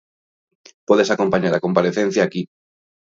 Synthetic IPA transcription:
pɔðesakompaɲaɾakompaɾeθẽn̟θjaːki

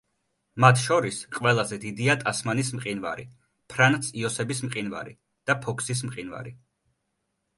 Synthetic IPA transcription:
mat̪ʰʃɔɾisqʼwɛlˠazɛd̪id̪iat̪ʼasmanismqʼinva̰ɾḭ | pʰɾant̪siɔsɛbismqʼinva̰ɾḭ | d̪̥apʰɔkʰsis̬mqʼinva̰ɾi

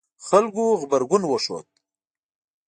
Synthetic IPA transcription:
xalɡuɣbaɾɡʊnwəʂo̰t̪̚

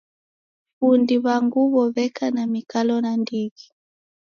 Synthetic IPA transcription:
βundiβaŋɡuβɔβɛkanamikalɔnandiɣi

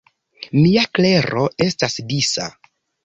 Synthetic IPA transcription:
miakle̞ɾo̞e̞stasdisa̰

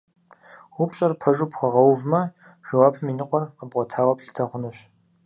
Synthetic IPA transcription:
wʊpɕʼɐrpʰɐʒʊpxʷɔʁɐwvmɐ | ʒɐwaːpʰɨminɨqʷʼɔrqəbʁʷɔtʰaːwɐpɬɨ̥tʰɐχʷʊnɨɕ

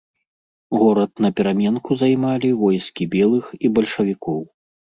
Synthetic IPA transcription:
ɣɔɾɐt̪̚nɐpʲɛɾamʲɛnkuzajmalʲivɔjskʲibʲɛlˠɨxibɐlʲʂɐvʲikɔw

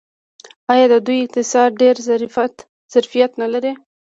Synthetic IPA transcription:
ɑjɑd̪əd̪ujɪq̚t̪ɪsɑɾ̚ɖeɾza | z̥aɾfijat̪nalaɾi

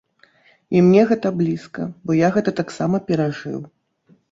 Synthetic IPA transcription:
imnʲɛɣɛt̪ɐblʲiskɐ̰bɔjaɣɛt̪ɐt̪aksamɐpʲɛɾaʐɨ̰w

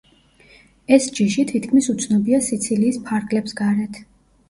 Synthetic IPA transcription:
ɛsd͡ʒiʃit̪ʰit̪ʰkʰmisut̪sʰnɔbiasit̪sʰiliːspʰaɾɡlɛpsɡaɾɛt̪ʰ

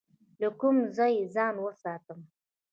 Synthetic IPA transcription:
lakʊmzɑjezɑnwəsɑt̪əm

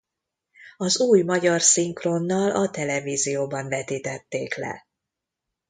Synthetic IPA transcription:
ɒzuːjmɒɟɒrsiŋkro̞nːɒlʔɒt̪ɛlɛviːzijoːbɒɱvɛt̪iːt̪ɛt̪ːeːklɛ̰

